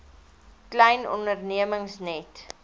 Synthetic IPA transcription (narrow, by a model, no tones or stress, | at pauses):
klɛjnɔ̰ndərniəməŋsnɛt